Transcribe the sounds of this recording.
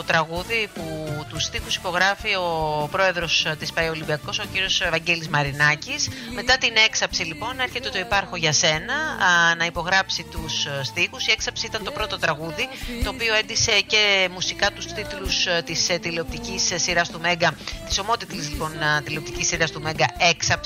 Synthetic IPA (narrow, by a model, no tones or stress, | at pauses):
t̪ot̪ɾɐɣuðiput̪ust̪ixusi̥po̞ɣɾɐfio̞pɾo̞e̞ðɾo̞st̪ispɐio̞libiɐko̞so̞ciɾiosvɐɲɟe̞lizmɐɾinɐcisme̞t̪ɐt̪ine̞ksɐpsilipo̞ne̞ɾçet̪eo̞t̪oipɐɾxo̞ʝɐse̞nɐnɐipo̞ɣɾɐpsit̪ussːt̪ixusie̞ksɐpsiit̪ɐnt̪o̞pɾo̞t̪o̞t̪ɾɐɣuðit̪o̞ːpio̞e̞nd̪ise̞ce̞musikɐt̪ust̪it̪lust̪ist̪ileop̚t̪icisːiɾɐst̪ume̞ŋɡɐt̪i̥so̞mo̞t̪it̪lizlipo̞nt̪ilep̚t̪icisːiɾɐst̪ume̞ŋɡɐe̞ksɐp